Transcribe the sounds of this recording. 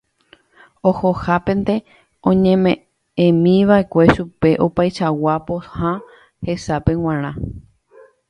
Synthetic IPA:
ohohapẽ̞nt̪e̞ | õɲẽmẽ | ẽmĩʋaʔe̞kʷe̞ʃupe̞ʔo̞pajʃawapohã | he̞sapẽ̞w̃ãɾ̃ã

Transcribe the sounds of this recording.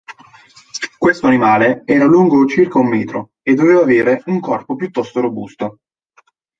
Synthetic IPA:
kwest̪oanimaːleɛːɾaluŋɡot͡ʃirkaumːɛːt̪ɾo̰ | ed̪ːoveːvaːveːɾeuŋkɔrpopjut̪ːɔst̪oɾobust̪o

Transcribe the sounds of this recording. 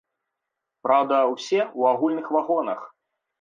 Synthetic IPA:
pɾawd̪ɐwsʲɛwaɣulʲnɨxvaɣɔnɐx

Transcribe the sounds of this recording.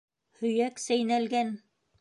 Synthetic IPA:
hɵ̆jæksæjnælɡæn

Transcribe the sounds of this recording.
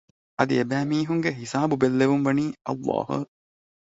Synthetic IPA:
ɐd̪iebæːmiːɦuŋɡeɦisaːbubelːeʋumʋɐniːɐ̰lːɑ̰ːɦṵ

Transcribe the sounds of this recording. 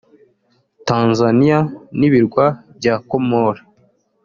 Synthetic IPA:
taːnzanijaniβiɾɡwabjɟaːkomoɾa

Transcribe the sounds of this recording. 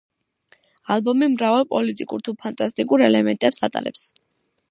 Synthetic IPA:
alˠbɔmimɾavalˠpʼɔlit̪ʼikʼṵɾt̪ʰupʰant̪ʼast̪ʼikʼuɾɛlɛmɛnt̪ʼɛpsa̰t̪ʼa̰ɾɛps

